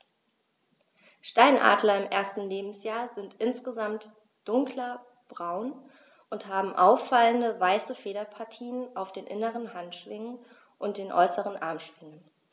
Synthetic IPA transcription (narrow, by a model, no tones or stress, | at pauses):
ʃtaɪnʔa̰ːdlɐɪmʔeːɐstn̩leːbm̩sjaːɐzɪntʔɪnsɡ̥əzamt | d̥ʊŋklɐ | b̥ʁaʊn | ʔʊnthaːbm̩ʔaʊfːaləndəvaɪsəfeːɾɐpʰaɐtʰiːnənʔaʊfd̥eːnʔɪnəʁənhantʃv̥ɪŋən | ʔʊnt̚d̥eːnʔɔ̰ʏsəʁənʔa̰ɐmʃv̥ɪŋən